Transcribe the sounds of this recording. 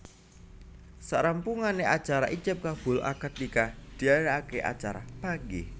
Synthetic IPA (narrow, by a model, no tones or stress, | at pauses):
saɾampuŋaneʔat͡ʃaɾaʔit͡ʃəp̚kab̥ʊ̤la̰kət̪̚likad̪̥i̤aɾaakeʔa̰t͡ʃaɾa̰paŋɡe